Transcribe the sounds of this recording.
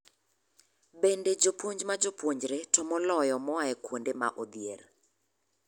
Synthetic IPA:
bended͡ʒopwoɲd͡ʒmad͡ʒopwoɲd͡ʒɾetɔmɔlɔjɔmɔaɛkwondema̰ʔod̪jer

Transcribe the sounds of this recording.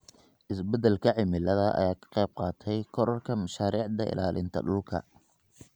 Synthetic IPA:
ʔɪsbɛd̪ɛlkʰɐʕɪmɪlɐðɐʔɐ̰jaːkʰɐ̥qɛjb̚qɑːt̪ʰɛjkʰɔɾɐrkʰɐmɐʃaːɾiːʕd̪ɐɪ̰laːlʔɪnt̪ʰɐ̰ɖʊlkʰɐ̰

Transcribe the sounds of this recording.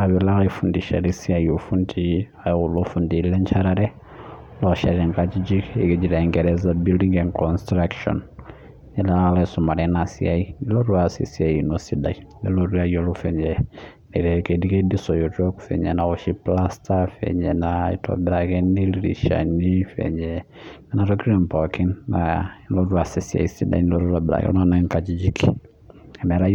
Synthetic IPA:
aβilaɣifundiʃa̰lisiaiofundiajulofundilɛɲt͡ʃʰaɾaɾɛ | lɔʃa̰ɾiŋɡatid͡ʒikeked͡ʒiɾaiŋɡɛɾɛzabildiŋɡɛnkɔnstɾakʃɔ̰n | ɲɛlalasɔmaɾɛnasḭaiiloɾuasḭsiajinosidainɛloɾuajolofɛɲɛ | nɛɾɛkedikedisɔjɔtɔku̥fɛ̰ɲɛ̰nawɔʃiplastʰafɛ̰ɲɛnaḭtʰɔ̰biɾaɡɛniliɾḭʃa̰nifɛ̰ɲɛ | ɛnatɔkiɾɛmpɔkinnailɔɾuasisia̰isida̰inilɔɾuɾabiɾa̰ɡɛ̰lanaŋkad͡ʒid͡ʒikʰi | ɛmɛɾaj

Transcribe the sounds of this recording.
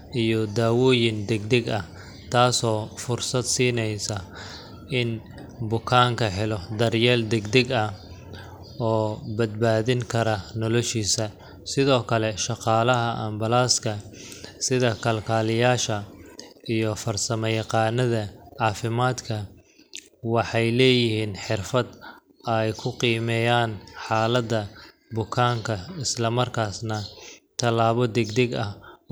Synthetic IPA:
ʔijɔd̪aːwɔːjɪnd̪ɛɡd̪ɛɡɐ | t̪ʰaːsɔːfʊrsɐd̪siːnɛjsɐ | ʔɪn | bʊkʰaːŋkʰɐħɪlɔd̪ɐrjɛːld̪ɛɡd̪ɛɡɐ | ɔːbɐd̪̚baːðɪŋkʰɐɾɐnɔlɔʃiːsɐ | sɪðɔːkʰɐlɛʃɑqɑːlɐɦɐʔɐmbɐlaːskʰɐsɪðɐkʰɐlkʰaːlɪjaːʃɐ | ijɔfɐrsɐmɛjɑqɑːnɐðɐʕɑːfɪmaːd̪kʰɐ | wɑħɑjlɛːjɪhiːnħɪrfɐd̪ | ɐjkʰʊqiːmɛːjaːnħaːlɐd̪ɐ | bʊkʰaːŋkʰɐɪslɐmɐrkʰaːsnɐt̪ʰɐlaːβɔd̪ɛɡd̪ɛɡɐh

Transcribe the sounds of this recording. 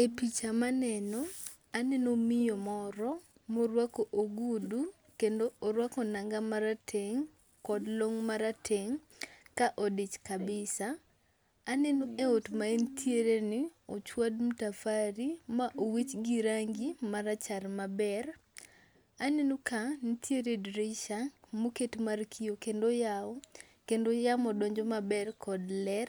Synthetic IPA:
epit͡ʃamanɛnɔ | anɛnomɪjomɔɾɔ | moɾwakoʔoɡudu | kendoʔːɾwakɔnaŋɡamaɾatʰeŋ | kɔdloŋmaɾatʰeŋ | kaʔodit͡ʃkabɪsaː | nɛnoʔeotmaentʰjeɾenɪot͡ʃwad̚m̩tafaɾimaʔowit͡ʃɡiɾaŋɡimaɾat͡ʃarmabɛr | anenokanitʰjeɾedɾiʃamoketmarkʰijokendoja | kendojamɔdɔɲd͡ʒɔmabɛrkʰɔdlɛr

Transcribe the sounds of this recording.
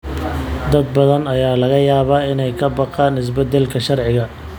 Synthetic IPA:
d̪ɐd̪̚bɐðɐnɐjaːlɐɣɐjaːβaːɪnɛjkʰɐbɑqɑːnɪs̬bɐd̪ɛlkʰɐʃɐrʕɪɣɐ

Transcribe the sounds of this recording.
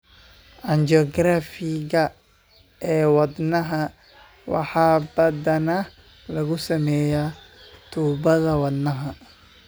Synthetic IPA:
ʔɐnd͡ʒɔɡɾafɪɣɐ | ɛːwɐd̪nɐɦɐ | wɑ̰ħɑːbɐðɐnɐ | lɐɣʊsɐmɛːja | t̪ʰuːbɐðɐwɐd̪nɐɦɐ

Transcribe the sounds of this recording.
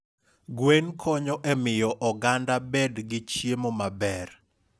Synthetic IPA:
ɡwenkʰɔɲɔʔɛmɪjɔʔɔɡandabɛdɡɪt͡ʃjemomabɛr

